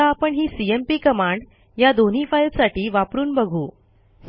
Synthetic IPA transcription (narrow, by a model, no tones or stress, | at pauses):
aːpəɳɦiːsiempiːkəmaɳɖ | jad̪on̤iːfailsaʈiːʋapɾuːnbəɡʱuː